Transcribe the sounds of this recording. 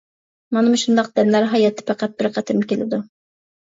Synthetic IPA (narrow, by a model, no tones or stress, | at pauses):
mɑnɨmʊʃund̪ɑq̚d̪̥ɛnlæɾɦɑjɑt̪ʰːɪ̥pʰæqæt̪̚bɪɾqʰæt̪ʰɪɾmkʲelɪ̰d̪u